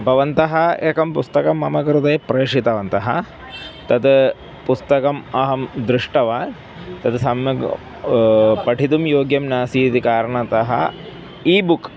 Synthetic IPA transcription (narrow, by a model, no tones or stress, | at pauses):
bʱɐʋɐnt̪ɐɦɐeːkɐmpust̪ɐkɐmːɐmɐkɾut̪ɐjpɾeːʂit̪ɐʋɐnt̪ɐɦɐ̰ | t̪ɐt̪ | pust̪ɐkɐmɐɦɐmd̪ɾɪʂʈɐʋaː | t̪ɐt̪sɐmjɐ | pɐʈit̪umjoːɡjɐmnaːsiːt̪ikaːɾɐɳɐt̪ɐɦɐ̰ | iːbuk